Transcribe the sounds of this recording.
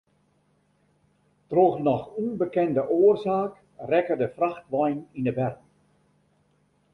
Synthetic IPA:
troxnɔxunbəkɛndəʔoːərzaːk | rɛkərdəfraxtʋɔjnindəbɛrk

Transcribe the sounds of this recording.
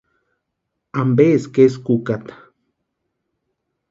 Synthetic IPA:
ambeskeskukat̪ḁ

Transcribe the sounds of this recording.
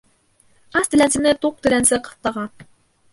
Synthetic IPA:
ɑst̪ɘ̆lʲænsɘ̆nɘt̪uq̚t̪ɘ̆lænsɘqɤ̥θt̪ɑʁɑ

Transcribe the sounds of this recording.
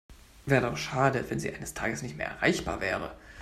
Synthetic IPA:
vɛːʁədaʊʃaːdəvɛnziːʔaɪnəstʰaːɡəsnɪçtmeːɐʔɛ̰ʁa̰ɪçb̥a̰ːɐvɛːʁə̰

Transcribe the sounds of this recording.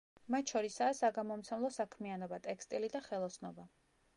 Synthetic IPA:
mat̪ʰʃɔɾisaːsaɡamɔmt̪sʰɛmlˠɔsakʰmianɔbat̪ʼɛkʰst̪ʼilid̪aχɛlˠɔsnɔba

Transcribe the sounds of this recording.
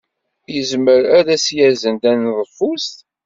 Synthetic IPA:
jəzməɾæɾæsjæzənd̪ænðˤəfːust̪

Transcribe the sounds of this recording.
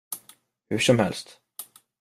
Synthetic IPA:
hɵʂɔmhɛ̰lst̪

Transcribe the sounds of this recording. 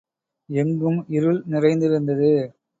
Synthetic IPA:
ɛŋɡɯmɪɾɯlnɪrɐɪnd̪ɪɾɯnd̪ɐðɯ

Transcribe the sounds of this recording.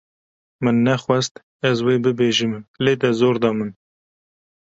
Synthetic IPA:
mɨnːɛxwɛst̪ | ɛzweːbɨbeːʒɨmleːd̪ɛzoːɾd̪ɑːmɨn

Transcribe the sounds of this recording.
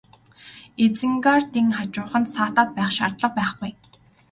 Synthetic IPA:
et͡sɘ̆ŋɡart̪iŋχat͡ɕʊːχə̆nt̪saːt̪aːt̪̚pæːχʃa̰rt̪ɮə̆q̚pæːχɡʊj

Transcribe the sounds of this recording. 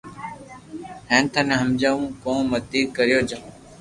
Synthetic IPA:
hẽːnt̪ʰənẽːɦəmd͡ʒaːʋũːkõːmət̪iːkəɾɪjoːd͡ʒə

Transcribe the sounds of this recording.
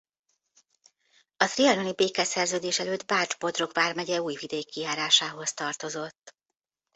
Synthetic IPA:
ɒt̪riɒnonibeːkɛsɛrzøːd̪eːʃɛløːd̪baːrd͡ʒbo̞d̪ro̞kʋaːrmɛɟɛuːjvid̪eːkːijaːɾaːʃaːɦo̞st̪ɒrt̪o̞zo̞t̪ː

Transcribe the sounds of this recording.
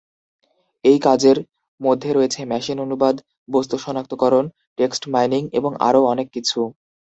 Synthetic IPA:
ejkad͡ʑeɾ | mod̪ʱːeɾoet͡ɕʰemɛʃinonubad̪ | bost̪oʃɔnak̚t̪okɔɾon | ʈeksʈmajniŋḛboŋʔa̰ɾoɔnekːit͡ɕʰu

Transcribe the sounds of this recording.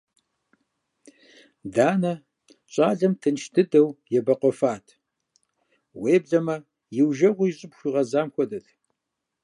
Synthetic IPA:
daːnɐ | ɕʼaːɮɐmtʰɨnʃtʰɨdɐwjɛbɐqʷɔfaːtʰ | weːbɮɐmɐ | jɪwʒɐʁʷʊjɕʼɪpxʷiːʁɐzaːmxʷɔdɐtʰ

